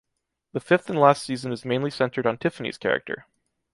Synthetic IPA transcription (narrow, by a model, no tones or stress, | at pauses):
ðɨfɪfθn̩læstsizɨ̃nɨzmẽɪ̃nlisɛ̃ntʰə˞ɾn̩tʰɪfənḭz̥kʰɛ̰ɹɨ̰k̚tʰə̰˞